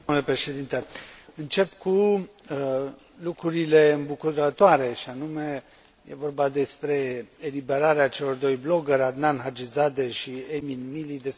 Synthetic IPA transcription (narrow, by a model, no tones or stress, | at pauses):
ulepɾe̞ʃe̞d̪int̪eɨnt͡ʃe̞pku | lukɾuɾile̞ɨmbukud̪ət̪oaɾe̞ʃianume̞ | jḛvo̞rbad̪e̞spɾe̞elibe̞ɾaɾeat͡ʃe̞lo̞rd̪o̞jblo̞ɡeɾʲad̪nanɦad͡ʒizad̪eʃieminmilid̪es